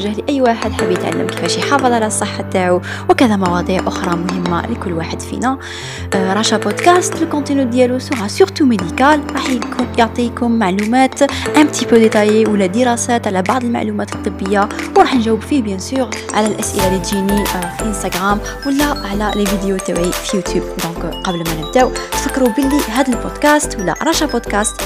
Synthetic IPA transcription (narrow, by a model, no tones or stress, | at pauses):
ʒːæhliʔæjːwaħəd̪ħəbːjət̪ʕa̰lːə̰mki̥fæʃjħɑfɑðˤʕalæsˤːəħːat̪ːaʕu | wkæd̪æmɑwɑd̪ˤiʕʔʊxɾˤɑmʊhəmːa̰likʊlːwaħəd̪fḭnæ | ɾˤɑʃæbod̪kæst̪əlkɔ̃nt̪ənyd̪ːjælusʊɣasyɾt̪umed̪ikælɾˤɑħjoʕt̪ˤikʊmːaʕlumæt̪ʕæb̚t̪ipød̪et̪ˤɑjiwəlːæd̪əɾɑsæt̪ʕlæbɑʕd̪ˤəlma̰ʕlumæt̪it̪ˤːəbːəjːawɾˤɑħnʒæwːəbfibjæ̃syʁʕalælʔæsʔə̰lælid̪ʒinifiʔənst̪æɡʁæm | wəlːæʕlælvid̪ejot̪ːæwʕifijut̪jubd̪ɔ̃kqɑbəlmænəb̚d̪æw̪fəkːɾubəlːiɦæd̪əlpod̪kæst̪wəlːæ̰ɾˤɑʃapod̪kæst̪